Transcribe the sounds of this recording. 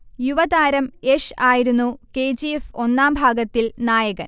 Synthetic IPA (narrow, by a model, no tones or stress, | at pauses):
juʋɐd̪aːɾɐmeʂaːjiɾunːukeːd͡ʑiefo̞nːaːmbʱaːɡɐt̪ːilnaːjɐɣɐn